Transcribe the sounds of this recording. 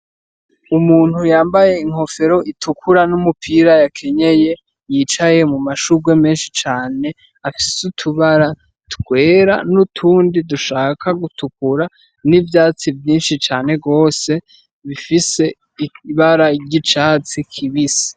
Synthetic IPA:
umuːn̥hujaːmbaje̞iŋ̥ho̞fe̞ɾo̞ʔitʰukʰuɾanumupʰiɾajakʰe̞ɲe̞je̞ | jiːt͡ʃaje̞mumaʃuɡwe̞me̞ːnʃi̥t͡ʃaːne̞ | afisutʰuβaɾa | tɡwe̞ːɾa̰nutʰuːndiduʃaːkʰaɡutuk̚uɾa | nivjaːt͡sivjiːnʃit͡ʃaːne̞ɡo̞ːse̞ | βifise̞ | iβaɾaɟit͡ʃaːt͡sikʰiβisi̥

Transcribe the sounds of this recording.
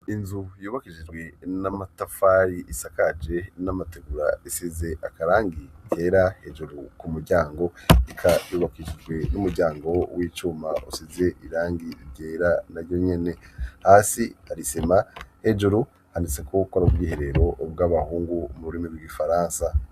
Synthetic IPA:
inzujuːβakiʒid͡ʒɡwe̞namatafaɾiʔisakad͡ʒe̞namateɡuɾa̰esize̞ʔakaɾaːŋɡite̞ːɾahe̞d͡ʒuɾukumuɾɟaːŋɡo̞ikʰajuːβakiʒid͡ʒɡwe̞numuɾɟaːŋɡo̞wʔiːt͡ʃuːmaʔusize̞ʔiɾaːŋɡiteːɾanaɾjo̞ɲe̞ne̞haːsihaɾisemahe̞d͡ʒuɾu | hanit͡se̞kokwoɾauɡwiːhe̞ɾe̞ɾo̞bɡaβahuːŋɡumuɾuɾimiɡwiɡifaɾaːnsa

